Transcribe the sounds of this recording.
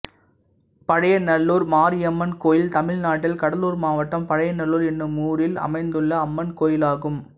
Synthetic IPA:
pɐɽɐjɐnɐɭːuːɾmaːɾɪjɐmːɐnkoːjɪlt̪ɐmɪɻnaːʈːɪlkɐɽɐluːɾmaːʋɐʈːɐmpɐɽɐjɐnɐɭːuːɾɛnːɯmːuːɽɪlɐ̰mɐɪnd̪ɯɭːɐːmːɐnkoːjɪlaːɣɯm

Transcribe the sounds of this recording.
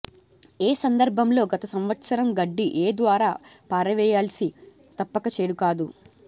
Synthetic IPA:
eːsɐnd̪ɐɾbʱɐmlo̞ːɡɐt̪ɐsɐmʋɐt̪sɐɾɐmɡɐɖːiʔeːd̪ʋaːɾaːpaːɾɐʋɛːjaːlsi | t̪ɐpːɐkɐt͡ʃeːɽukaːd̪u

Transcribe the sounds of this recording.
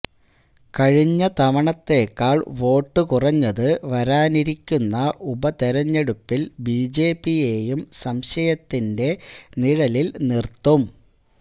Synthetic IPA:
kɐɻiɲːɐt̪ɐʋɐɳɐt̪ːe̞ːkːaːɭʋo̞ːʈːɨkurɐɲːɐðɨʋɐɾaːniɾikʲːunːɐʔubɐt̪eɾɐɲːeɽupːilbiːd͡ʑe̞ːpːije̞ːjumsɐmɕɐjɐt̪ːinde̞niɻɐlilnirt̪ːum

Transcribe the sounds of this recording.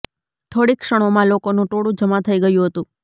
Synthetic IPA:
t̪ʰoɽikʃəɽ̃omãlokonũʈʰoɽũd͡ʒəmat̪ʰəiɡəjũɦət̪ũ

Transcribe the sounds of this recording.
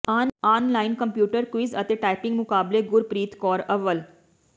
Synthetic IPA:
ananlainkəmpjuːʈəɾkʋizə̰t̪eʈajpɪ̃ŋɡmʊkaːbleɡʊɾpɾiːt̪kɔːɾəʋəl

